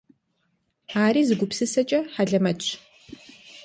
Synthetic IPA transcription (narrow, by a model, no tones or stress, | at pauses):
aːriːzɨɡʷʊpsɨsɐt͡ʃʼɐħaɮɐmɐt͡ʃʰ